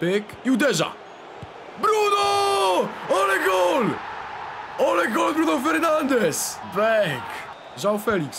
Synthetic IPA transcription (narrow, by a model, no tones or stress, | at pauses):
pek | iud̪ɛʒa̰ | bɾuno | ɔlɐɡol | olɐɡolˠbɾunofɨɾnɐ̃nd̪eʃbɛk | ʒaufɛlˠiks